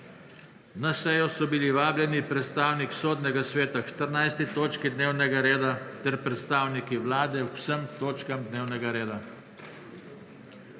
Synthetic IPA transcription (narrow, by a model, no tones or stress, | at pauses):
nasɛjɔsɔbiliʋaːblʲjɛnipɾɛt̪st̪aːwniksoːd̪nɛɡasʋeːt̪aʃt̪əɾnajst̪it̪oːt͡ʃkid̪neːwnɛɡaɾeːd̪at̪ɛɾpɾɛt̪st̪aːwnikiwlaːd̪ɛusəmt̪oːt͡ʃkamd̪neːwnɛɡaɾeːd̪a